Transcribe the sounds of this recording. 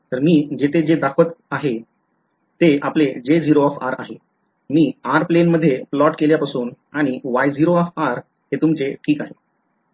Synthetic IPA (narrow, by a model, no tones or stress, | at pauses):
t̪əɾmiːd͡ʑet̪ʰed͡ʑed̪akʰət̪aɦe | t̪eapled͡ʑed͡ziɾoɔfa̰ɾa̰ɦe | miːaɾplenməd̪ʱːjeplɔʈkeljapasuːn | aɽ̃iʋajd͡ziɾoɔfaɾ | het̪umt͡seʈʰiːkaɦe